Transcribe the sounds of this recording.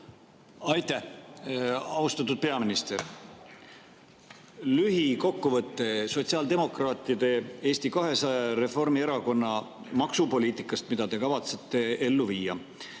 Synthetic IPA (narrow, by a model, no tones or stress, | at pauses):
ɑjt̪æh | ɑust̪ɑt̪̬ːˑud̪̥̚pe̞ɑminist̪e̞ɾ | lyɦiko̞kːuvɤt̪ːe̞so̞t̪siɑːld̪e̞mo̞krɑːt̪ːˑiɑd̪̥e̞e̞ːst̪ikɑɦe̞sɑɾe̞fo̞rmie̞ɾɑko̞nːɑ | mɑksupo̞liːt̪ˑikːˑɑst̪mid̪̥ɑd̪e̞kɑvɑt̪se̞t̪ːˑe̞e̞lːuviːɑ̰